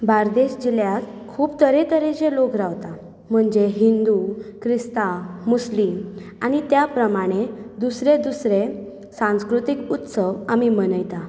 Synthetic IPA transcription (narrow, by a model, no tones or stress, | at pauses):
baɾd̪eɕd͡ʑiljat̪ | kʰuːpt̪əɾet̪əɾed͡ʑelokɾaʋt̪a | m̤əɳd͡ʑeɦind̪ukʰɾist̪amuslimaɽ̃it̪japɾəmaɽ̃ed̪usɾed̪usɾe | sãw̃skɾut̪ikut̪səʋamimənəjt̪a